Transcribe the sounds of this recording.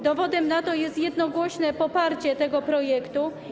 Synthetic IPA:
d̪ɔvɔd̪ɛmnat̪ɔjɛst̪jɛd̪nɔɡwɔɕnɛpɔpaɾt͡ɕɛt̪ɛɡɔpɾɔjɛkt̪u

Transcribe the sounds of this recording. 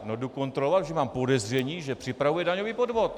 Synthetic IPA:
noduko̞nt̪ɾolovat̪ʒɛmaːmpo̞dɛzr̝ɛɲiːʒɛpr̝̥ɪpɾavujɛdaɲoviːpo̞dvo̞t̪

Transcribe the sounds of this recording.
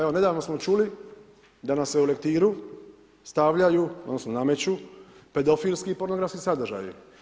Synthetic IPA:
eone̞d̪aːʋno̞smo̞t͡ʃuli | d̪anasːeule̞kt̪iːɾu | st̪aʋʎajuod̪nosnoname̞t͡ɕupe̞d̪o̞fiːlʲskiːpo̞ɾno̞ɡɾafskisad̪r̩ʒa̰ji

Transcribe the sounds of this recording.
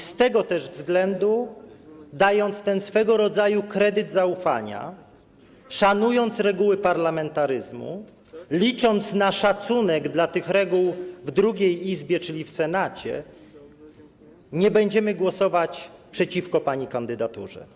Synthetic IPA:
st̪ɛɡɔt̪ɛʐvzɡlɛnd̪u | d̪ajɔnt̪st̪ɛnsfɛɡɔɾɔd̪zajukɾɛd̪ɘd̪zaufa̰ɲa̰ | ʂanujɔnt̪sɾɛɡuwɘpaɾlamɛnt̪aɾɘzmṵ | lʲit͡ʂɔnt̪snaʂat̪sunɛɡd̪lat̪ɘxɾɛɡuwvd̪ɾuɡʲejizbʲjɛt͡ʂɘlʲifsɛnat͡ɕɛ̰ | ɲɛbɛɲd͡ʑɛmɘɡwɔsɔvat͡ɕpʂɛt͡ɕifkɔpaɲikand̪ɘd̪at̪ṵʐɛ̰

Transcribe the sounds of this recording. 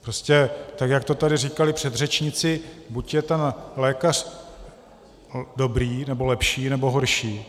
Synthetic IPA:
pɾoscɛt̪akjak̚t̪o̞t̪adɪriːkalɪpr̝̥ɛd̪rɛt͡ʃɲɪt͡sɪbucjɛt̪ɛnlɛːkar̝̥ | do̞bɾiːnɛbo̞lɛpʃiːnɛbo̞ɦo̞ɾʃiː

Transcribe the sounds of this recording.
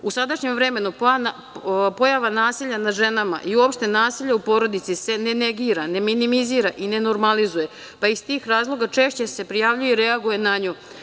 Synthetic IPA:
usad̪aʃɲe̞mvɾe̞me̞nupan | po̞jaʋanaːsiʎanaʒe̞nama̰ʔiuoːpʃt̪e̞naːsiʎaupo̞ːɾo̞d̪it̪sise̞ne̞neɡiːɾane̞minimiziːɾaʔine̞no̞ɾmalizuje̞ | paist̪iːxɾaːzlˠo̞ɡat͡ʃe̞ːʃt͡ɕe̞se̞pɾijaʋʎujeiɾe̞aɡuje̞naɲo

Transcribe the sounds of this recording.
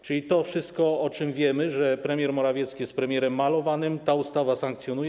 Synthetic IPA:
t͡ʂɘlʲit̪ɔfʂɘst̪kɔɔt͡ʂɘmvʲjɛmɘʐɛpɾɛmʲjɛɾmɔɾavʲjɛt̪skʲijɛst̪̚pɾɛmʲjɛɾɛmːalɔvanɘmt̪aust̪avasaŋk̚t̪sʲjɔnujɛ

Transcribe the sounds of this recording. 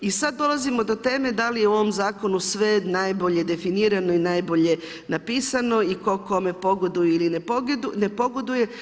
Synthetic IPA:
isad̪̚ːo̞lˠazimo̞d̪o̞t̪e̞ːme̞d̪alijeuo̞ʋomzaːko̞nusʋe̞najbo̞ʎe̞d̪e̞finiːɾano̞inaːjbo̞ʎe̞ | napiːsano̞iko̞ko̞me̞po̞ɡod̪ujeilineoɡd̪une̞po̞ɡod̪uje̞

